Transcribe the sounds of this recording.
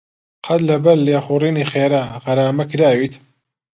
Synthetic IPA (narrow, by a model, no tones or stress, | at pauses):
qʰɐd̪lɐbɐlːeːxuriːniːxeːɾaʁɐɾaːmɐkɾaːwit̪ʰ